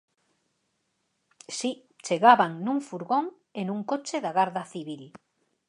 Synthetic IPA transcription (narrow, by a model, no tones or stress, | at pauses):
si | t͡ʃeɣaβaŋnũŋfuɾɣoŋ | enũŋkot͡ʃeðaɣaɾðaθiβil